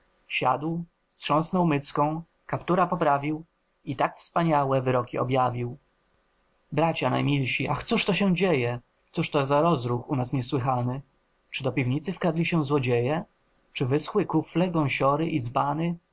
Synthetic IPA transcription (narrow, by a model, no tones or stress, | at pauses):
ɕa̰d̪w | st̪ʂɔ̃ñsnɔwmɘt̪skɔ̃w̃ | kapt̪uɾapɔpɾavʲiw | it̪akfspaɲawɛvɘɾɔkʲiɔ̰bʲjavʲiw | bɾat͡ɕana̰jmʲilɕiʔaxt̪suʂt̪ɔɕɛ̃d͡ʑejɛ | t̪suʂt̪ɔzaɾɔzɾuxunasɲɛswɘxanɘ | t͡ʂɘd̪ɔpʲivɲit̪sɘfkad̪lʲiɕɛ̃zwɔd͡ʑejɛ | t͡ʂɘvɘsxwɘkuflɛɡɔ̃w̃ɕɔɾɘʔid̪zbanɘ